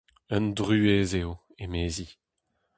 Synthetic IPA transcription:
œndʁyezeo | emeːzi

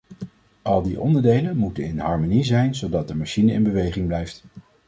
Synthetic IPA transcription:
ʔɑlˠdiʔɔ̰ndəɹdejlənmutənɪnɦɑɹmonizɛjnzowdɑt̚dəmaʃinəɪ̰nbəʋejχɪŋblɛjft

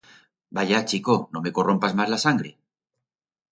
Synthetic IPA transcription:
baʝat͡ʃikono̞me̞ko̞ro̞mpazmazlasaŋɡɾe̞̰

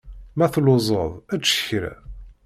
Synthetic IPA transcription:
mæθloʊzˤə̰ðˤæt͡sːə̥çɾæ̰

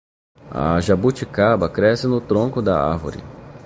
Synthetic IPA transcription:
ɐ̰ʒabut͡ʃikabɐkɾɛsɪnʊt̪ɾõkʊd̪ɐ̰a̰ɾvo̰ɾɪ̰

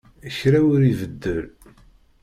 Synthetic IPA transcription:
əçɾæwʊɾivəd̪ːəl

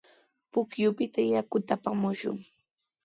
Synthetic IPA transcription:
pʊkjʊpɪt̪ajakʊt̪apamʊʃʊ̰ŋ

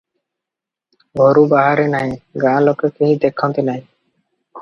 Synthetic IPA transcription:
ɡʱɔɾubaɦaɾenaj̃ɡãlokːekiɦĩd̪ekʰːɔnt̪enaj

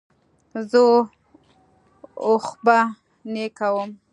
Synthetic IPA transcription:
zə | oxba | nekawəm

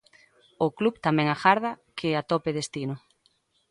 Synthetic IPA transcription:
ʊklubt̪amɛ̃ŋaxaɾðɐkʰeat̪opeðest̪inʊ

